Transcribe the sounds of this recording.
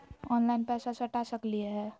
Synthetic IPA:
ɔnlaɪnpɛsasəʈasəklieɦɛː

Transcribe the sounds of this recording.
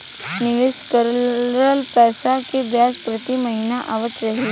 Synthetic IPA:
nɪʋɪskəɾəlpɛːsakebʱjaːspɾɐt̪imɐɦinaʔaːʋət̪ɾɐɦi

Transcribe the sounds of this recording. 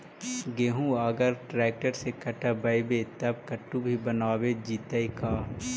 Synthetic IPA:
ɡeːɦũaɡəɾʈɾɛːk̚ʈəɾsekɐʈabɐjbet̪ɐb̚kɐʈːũbʱibənaːwed͡ʒiːt̪əikaː

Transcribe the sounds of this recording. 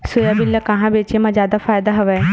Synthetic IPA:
sʊjabɪlːɐkɐɦãbeːt͡ʃemɐ̃zjaːd̪afaːjd̪aɦɐʋɛː

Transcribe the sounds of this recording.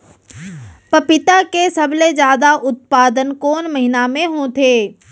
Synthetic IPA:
pɐpɪt̪akesɐbled͡ʒjaːd̪aʔʊt̪̚paːd̪ənkɔːnmɐɦɪnamẽɦõt̪ʰeː

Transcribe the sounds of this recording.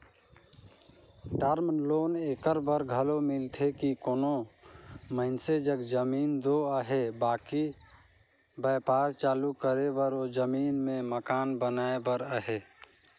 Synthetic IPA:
ʈəɾmloːneːkəɾbəɾɡʱəlomɪlt̪ʰekikoːno | məɦɪnsed͡ʒəɡd͡ʒəmiːnd̪oəɦebaːki | bəːpaːɾt͡ʃaːlukəɾebəɾod͡ʒəmiːnmẽməkaːnbənaːebəɾəɦeː

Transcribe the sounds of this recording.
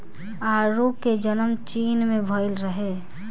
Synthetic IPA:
aːɾuːked͡ʒənəmt͡ʃiːnmẽbʱəɪlɾəɦe

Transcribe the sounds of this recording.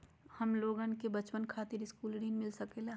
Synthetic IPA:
hɐmloːɡənkebɐt͡ʃpənkʰaːt̪ɪɾɪskuːlɖiːnmɪlsɐkele

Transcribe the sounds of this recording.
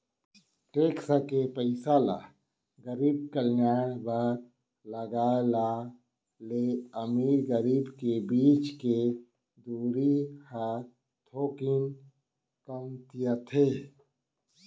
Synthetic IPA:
ʈeːksakepəɪsala̰ː | ɡəɾiːb̚kəljaːɽ̃ba | ləɡaːla | leəmiːɾɡəɾiːbkebiːt͡ʃke | d̪uːɾiha | t̪ʰoːkin | kəmt̪ijat̪ʰeː

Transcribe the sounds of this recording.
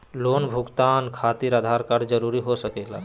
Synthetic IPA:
loːnbʱʊɡt̪aːnkʰaːt̪iɾad̪ʱaːɾkaɾd͡ʒəɾuːɾiɦosəkeːlaː

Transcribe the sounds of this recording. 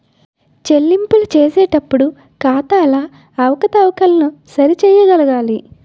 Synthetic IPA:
t͡ʃe̞lːimpulɐt͡ʃeːsɛːʈɐpːuɽu | kaːt̪aɐlaː | ɐʋɐkɐt̪ɐwɐkɐlɐnusɐɾit͡ʃɛːjɐɡɐlɐɡaːli

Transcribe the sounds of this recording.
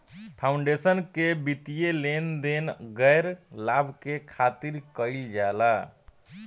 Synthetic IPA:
pʰaʊɳɖesənkebit̪ijelend̪enɡəɾlabʱkekʰat̪iɾkəild͡ʒala

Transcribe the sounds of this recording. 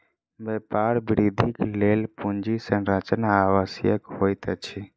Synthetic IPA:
bepaɾbɾid̪ʱiklelpund͡ʒisə̃ɾət͡ʃnaːwəsjəkɦojt̪t͡ʃʰi

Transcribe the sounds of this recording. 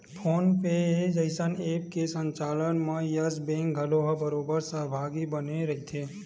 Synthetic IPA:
pʰoːnped͡ʒəɪsəneːp̚kesə̃ɲt͡ʃaːlənmẽjəzbẽːŋkɡʱəloɦəbəɾoːbəɾsəɦbʱaːɡibəneɾɐɦit̪ʰeː

